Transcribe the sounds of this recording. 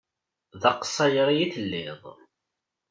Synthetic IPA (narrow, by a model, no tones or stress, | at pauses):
ðɑqə̥sˤːɑjɾˤijiθəlːɪðˤ